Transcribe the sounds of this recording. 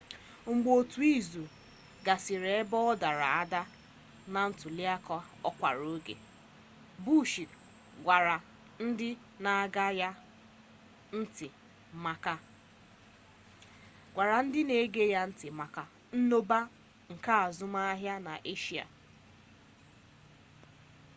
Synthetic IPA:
ŋ͡m̩˨ɡ͡bo˨tu˨i˦zu˨ | ɡa˨sɪ˨ɾe˨e˦bɔ˦ɔ˦da˨ɾa̰˨a˦da˦ | na˨n̩˦tʊ˨li˦a˦kɔ˦ | ɔ˦kʷa̰˨ɾo˦ɡḛ˨ | bu˦ʃi˨t | ɡʷa˨ɾa˨ | n̩˦dɪ˦ | na˨a˨ɡa˦ja˦ | n̩˦tɪ˨ | ma˦ka˦ | ɡʷa˨ɾa˨n̩˦dɪ˦ne˨˦ɡe˦ja˦n̩˦tɪ˨ma˨ka˦ | n̩˦no˦ba˦ | ŋ̩˨ka˦a˨zʊ˦ma˦ɦja˦na̰˨ʔe˦ʃi˦a̰˨

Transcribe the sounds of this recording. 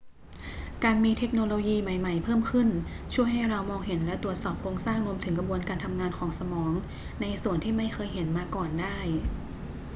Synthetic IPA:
kaː˧nmiː˧t̪ʰe˦˥k̚noː˧loː˧jiː˧ma˨˩jma˨˩jpʰɤː˥˩mkʰɯ˥˩nt͡ɕʰu˥˩əjɦa˥˩jɾa˧wmɔː˧ŋhe˩˦nlɛ˦˥t̪ɾu˨˩ət̪̚sɔː˨˩p̚kʰoː˧ŋsaː˥˩ŋɾu˧əmt̪ʰɯ˩˦ŋkɾa˧bu˧ənkaː˧nt̪ʰa˧mŋaː˧nkʰɔː˩˦ŋsa˧mɔː˩˦ŋ | na˧jsu˨˩ənt̪ʰiː˥˩ma˥˩jkʰɤː˧jɦe˩˦nmaː˧kɔː˨˩ndaː˥˩j

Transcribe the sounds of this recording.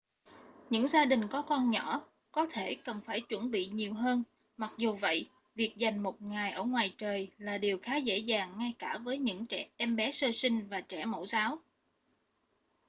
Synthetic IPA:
ɲɨ̰˧˥ŋzaː˧ɗï˨˩ŋ̟kɔ˨˦kɔ˧nɲɔ˧˩˥ | kɔ˨˦t̪ʰe˧˩kə˨˩nfaː˧˩jt͡ɕwə˧˩nɓḭ˧˨ɲi˨˩əwɦəː˧n | ma˨˩k̚zu˨˩və̰˧˨j | vi˨˩ək̚za˨˩jŋ̟mo˨˩t̚ŋaː˨˩jʔəː˧˩ŋwaː˨˩jt͡ɕəː˨˩jlaː˨˩ɗi˨˩əwxaː˨˦zḛ˧˥zaː˨˩ŋːŋa˧jkaː˧˩vəː˨˦jɲɨ̰˧˥ŋt͡ɕɛ˧˩ʔɛ˧mɓɛ˨˦səː˧sï˧ŋ̟vaː˨˩t͡ɕɛ˧˩mo̰˧˥zaː˨˦w

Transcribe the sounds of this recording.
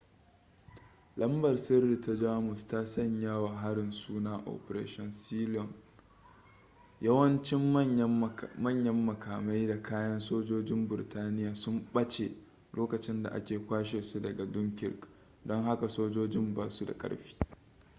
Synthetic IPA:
lɐ˦mbɐ˨rsɪ˦rːi˨ta˦d͡ʒaː˦mʊ˨staː˦sɐ˦ɲjaː˦waː˨ɦa˦ɽɪ˨nsuː˦naː˦ʔɔ̰˨pɾḛː˦ʃɔ˨nsiː˦lɔ˨n | jɐ˦wɐ˦nt͡ʃɪ˦m˦ | mɐ˦ɲjɐ˦mːɐ˨kaː˨ma˦jda˨kʰaː˦jɐ˦nsoː˦d͡ʒoː˦d͡ʒɪ˦mbɪ˨ɪ˨taː˦nɪ˦jaː˨sʊ˦mɓɐ˦t͡ʃḛ˨ | loː˦kɐ˨t͡ʃɪ˦nda̰˨ʔa̰˦kʲeː˨kʷaː˦ʃ̬eː˨su˦dɐ˨ɡa˨dʊ˦ŋkʲɪ̰˨ɾk | dɔ˦ŋɦa˦ka˨soː˦d͡ʒoː˦d͡ʒɪ˦mbaː˨su˦da̰˨kʼɐ̰˦ɽɸi̥ː˦

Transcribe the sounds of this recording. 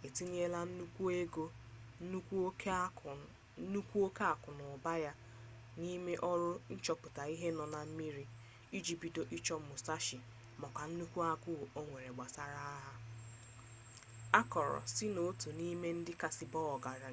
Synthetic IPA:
e˨ti˦ɲe˦la˦n̩˦u˦kʷu˦e˦ɡo˦u˦kʷu˦ | nu˦kʷu˦o˦ka˦a˨kʊ˨nʊ˨ba˦ja˦ | ni˦me˦ʔɔ˦ɾʊ˦n̩˦t͡ʃɔ˦pʊ˨ta˨i˦ɦe˦nɔ˨na˨m̩˦mi˦ɾi˦ | i˦d͡ʒi˨pi˨do˨ʔi˦t͡ʃɔ˦m̩˦mʊ˨sa˦ʃɪ˨ | mɔ˨ka˨n̩˦nu˦kʷu˦a˦ɡʊ˦˨o˦ŋʷe˨ɾe˨ɡ͡ba˨sa˨ɾa˦a˦ɦa˦ | a˦kɔ˨ɾɔ̰˨sɪ˦no˨˦tu˨ni˦me˦n̩˦dɪ˦ka˨sɪ˦bɔ˦ɔ˨ɡa˨ɾa˨

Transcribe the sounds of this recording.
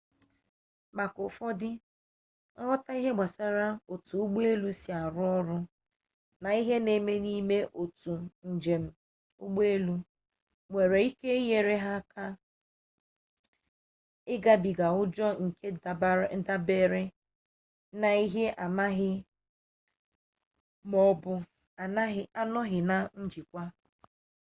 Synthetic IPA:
ma˨kʊ˨fɔ˦dɪ˦ | ɦɔ˦ta˦i˦ɦe˦ɡ͡ba˨sa˦ɾa˦o˨tu˨u˦ɡ͡be˦lu˦si˨a˨ɾʊ˦ɔ˦ɾʊ˦ | na˨i˦ɦe˦ne˨me˦ni˦me˦ʔo˨tu˨n̩˨d͡ʒe˨m̩˦ | ʊ̰˦ɡ͡be˦lu˦ | ŋʷe˨ɾe˨i˦ke˦je˨ɾe˦ɦa˦ka˦ | ɪ˦ɡa˦bi˨ɡa˨ʊ˦d͡ʒɔ˦ŋ̩˨ke˦˨˦da˦be˦ɾɪ˦ | na˨i˦ɦe˦ʔa˨ma˦ɦɪ˦ | mɔ˦bʊ˦˨˦ | a˦nɔ˦ɦɪ˨na˨n̩˦d͡ʒi˨kʷa˦

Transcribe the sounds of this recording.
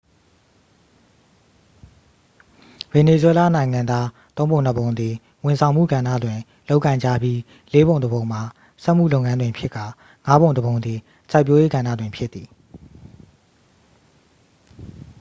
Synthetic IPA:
vɛ˨ne˨zwɛ˦la̰˦˨nã˨ɪ̃ŋã˨nd̪ða˦t̪õ˦ʊ̃bõ˨ʊ̃n̥ə˨bõ˨ʊ̃nd̪ði˨ | wʊ̃˨nsʰã˨ʊ̃mṵ˦˨ɡã˨ndä̰˦˨dwɪ̃˨ | lo˦ʊkːã˨ɪ̃ɲd͡ʑa̰˦˨bji˦ | le˨˦bõ˨ʊ̃nd̪ə˨bõ˨ʊ̃m̥a˨ | sɛ˦ʔm̥ṵ˦˨lo˦ʊʔŋã˦ndwɪ̃˨mpʰjɪ˦ʔkːa˨ | ŋa˦bõ˨ʊ̃ndəbõ˨ʊ̃nd̪ði˨ | sʰa˦ɪpjo˦je˦ɡã˨nda̰˦˨dwɪ̃˨mpʰjɪ˦t̪θi˨

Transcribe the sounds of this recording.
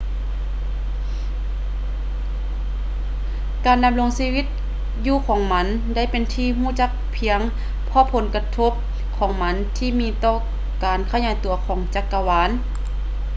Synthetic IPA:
kaː˨˩nda˧mlo˧ŋsiː˧˥wi˧˥t̪̚ | juː˧˨kʰɔː˨˦ŋma˧˥n | da˥˨jpe˨nt̪ʰiː˧ɦuː˧˩˨t͡ɕa˧˥k̚pʰi˧˦əŋ | pʰɔ˧˥pʰo˨˦nka˧t̪ʰo˧˥˩p̚ | kʰɔː˨˦ŋma˧˥nt̪ʰiː˧˨miː˧˥t̪ɔː˧˩ | kaː˨˩nkʰa˧ɲaː˨˦jt̪u˨˩ɐkʰɔː˨˦ŋt͡ɕa˧˥kːa˧waː˨˦˥n

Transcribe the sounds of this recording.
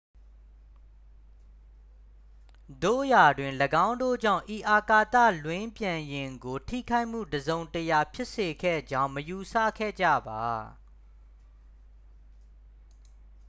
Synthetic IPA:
do̰˦˨ja˨dwɪ̃˨nləɡã˦ʊ̃ndo̰˦˨d͡ʑã̰˦˨ʊ̃ʔi˨ʔa˨ka˦˨t̪ä̰˦˨lwɪ̃˦mpjã˨jɪ̃˨ŋɡo˨tʰḭ˦˨kʰa˦ɪʔm̥ṵ˦˨dəzõ˨ʊ̃ntəja˨pʰjɪ˦ʔse˨kʰɛ̰˦˨d͡ʑã˦ʊ̃məju˨sä̰˦˨kʰɛ̰˦˨d͡ʑä̰˦˨ba˨

